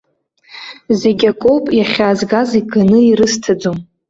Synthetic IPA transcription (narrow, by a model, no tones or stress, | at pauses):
zeɡʲakʼopʼjaχʲaːzɡaziɡʼanɨiɾɨstʰad͡zom